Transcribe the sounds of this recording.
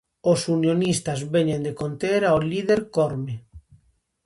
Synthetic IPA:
osunjonist̪azβeɲẽnd̪ekont̪eɾaolið̞eɾkoɾme

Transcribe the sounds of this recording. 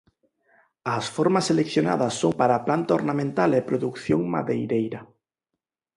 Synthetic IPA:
asfoɾmaselekθjona̰ðɐsːoŋpaɾaplant̪aoɾnamẽnt̪alepɾoðukθjoŋma̰ðejɾejɾɐ

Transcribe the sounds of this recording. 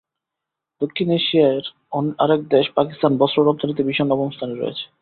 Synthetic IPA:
d̪̥okʰːineʃiaeɾ | ɔnaɾek̚d̪eʃpakist̪anbɔsɾoɾɔb̚t̪ʰonit̪̬ibiʃonːɔbomst̪ʰaneɾɔ̰ḛt͡ɕʰe̥

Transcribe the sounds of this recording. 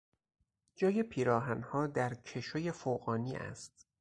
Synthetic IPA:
d͡ʒɒːjepʰiːɾɒːɦænhɒːd̪æɾcʰe̞ʃoje̞foːɣɒːniːʔæ̰st̪̚

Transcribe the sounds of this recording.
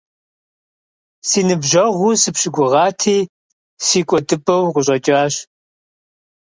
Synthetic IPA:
siːnɨbʒɐʁʷusɨpɕɪɡʷʊʁɑːtʰiː | siːkʷʼɔdɨpʼɐwqʊɕʼɐt͡ʃʼaːɕ

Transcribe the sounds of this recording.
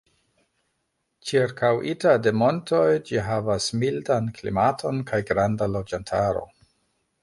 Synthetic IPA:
t͡ʃiɾkawʔitade̞mo̞nto̞jd͡ʒiɦavasmildanklḭmatʰo̞nkʰajɡɾandalod͡ʒantʰaɾo̞̰

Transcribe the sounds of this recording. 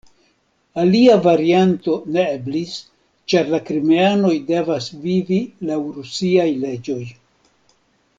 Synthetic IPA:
aliavaɾianto̞ne̞eblis | t͡ʃaɾlakɾimeano̞jde̞vasvivilawɾusiajle̞d͡ʒo̞j

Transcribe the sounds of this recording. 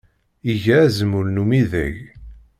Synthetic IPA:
iʝææzəmuɾnumiðæ̰ʝ

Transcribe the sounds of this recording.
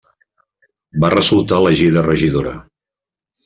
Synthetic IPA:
barəzulˠt̪aləʒiðərəʒiðoɾə̰

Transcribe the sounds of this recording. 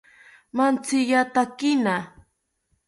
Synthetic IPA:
mant͡sɪʎat̪akɪna

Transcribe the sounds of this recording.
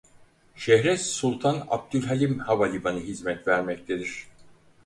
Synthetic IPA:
ʃɛɦɾɛssulˠt̪ʰana̰b̚d̪ylʲɦalʲimhavalʲibanɯɦizmɛt̪væɾmɛct̪ʰed̪iɾ̥

